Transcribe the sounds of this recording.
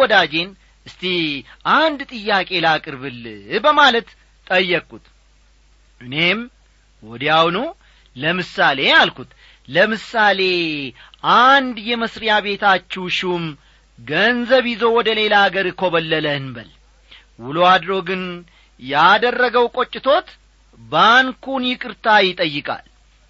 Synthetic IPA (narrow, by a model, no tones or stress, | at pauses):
ɔd̪ad͡ʒe̞n | ʔɨst̪ʰiʔand̪t̪ʼɨjːakʼe̞lakʼɨɾβɨlbəmalət̪ | t̪ʼəjːəkʼːut̪ | ʔɨne̞m | wɔd̪ijawnu | ləmɨsale̞jalkut̪ | ləmɨsale̞ | ʔand̪jɛməsɾijaβe̞t̪ʰat͡ʃːɛwʃɪm | ɡənzəβjɪzo̞wɔd̪əle̞laaɡəɾɨkʰo̞βəlːələɨnbəl | wʊload̪ɾo̞ɡɨn | jad̪ərːəɡəwkʼot͡ʃʼːɪt̪ʰo̞t̪ | bankunjɪkʼɨɾt̪ʰajɪt̪ʼəjːɨkʼa̰l